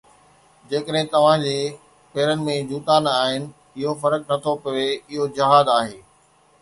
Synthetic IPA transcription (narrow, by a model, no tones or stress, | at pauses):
d͡ʑeːkəɗɦɪ̃t̪ɐʋ̤ãd͡ʑeː | peːɾənɪ̆mẽd͡ʑuːt̪aːnaːɦɪnɪ̆ | ɪɦofɐɾək̚nɐt̪ʰopɐʋeɪɦod͡ʑɐɦaːd̪aːɦeː